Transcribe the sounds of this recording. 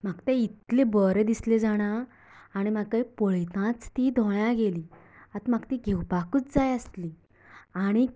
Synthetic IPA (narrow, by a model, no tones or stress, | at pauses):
m̤aɡt̪eit̪lebəɾed̪isled͡zaɽ̃aː | ɽ̃im̤akajpəɭet̪ãt͡st̪id̪ʱɔɭjãɡeliː | at̪maɡt̪iɡʱewpakut͡sd͡zajəst̪li | aɽ̃i